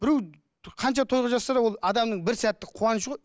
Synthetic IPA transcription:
b̥ɪɾew | qʰɑnʃɑt̪ʰo̞jʁəʒɑsːɑɾɑwo̞lˠɑd̪ɑmnəɴbɪɾsæt̪ːɪqʰuwɑnəʃ̬əʁo̞j

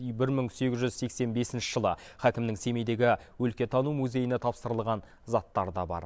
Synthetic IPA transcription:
bɪɾməŋse̞ɡʲɪzʒʏzse̞kse̞nbe̞sɪnʃɪʒ̥əlˠəχækʲɪmnɪŋse̞me̞jd̪e̞ɡʲɪwɵlkʲe̞t̪ʰɑnumuze̞jɪne̞t̪ʰɑpsəɾəlˠʁɑn | zɑt̪ːɑɾd̪ɑbɑ̰ɾ

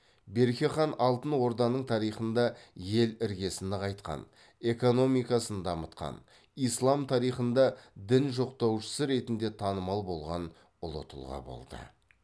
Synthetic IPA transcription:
be̞ɾkʲeχɑnɑlˠt̪ənwo̞ɾd̪ɑnəɴt̪ʰɑɾijχənd̪ɑje̞lɪɾɡʲe̞sɪnd̪əqʰɑjt̪qɑ̰n | e̞ko̞no̞mijkɑsənd̪ɑmət̪̚qɑ̰n | ijslˠɑmt̪ʰɑɾijχənd̪ɑd̪ɪnʒo̞qt̪ɑwʃə̥səɾe̞t̪ɪnd̪e̞t̪ʰɑnəmɑlˠbo̞lˠʁɑn | ʊlˠə̰t̪ʰəlˠʁɑ̰bo̞̰lˠd̪ə̰

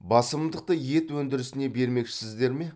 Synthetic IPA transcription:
bɑsəmd̪əq̚t̪əje̞t̪wɵnd̪ɪɾɪsɪne̞be̞ɾme̞kʃɪsɪzd̪e̞ɾme̞

